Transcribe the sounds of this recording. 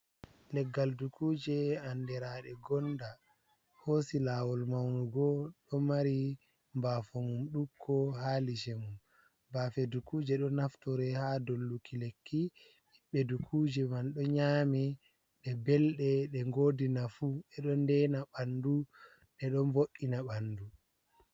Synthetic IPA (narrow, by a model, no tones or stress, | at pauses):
lɛɡːaldukuːd͡ʒɛandɛɾaɗɛɡɔnda | hosilawɔlmawnuɡɔɗɔmaɾi | mbafɔmumɗukʰːɔhalid͡ʒɛmum | baːfɛdukuːd͡ʒɛɗɔnaftɔɾɛhadolːukʰilekːi | iɓːɛdukʰud͡ʒɛmanɗɔɲaːmɛ | ɗɛbɛlɗɛɗɛŋɡoːdinafuɛɗɔndɛnaɓandu | ɗɛɗɔmboʔinaɓandu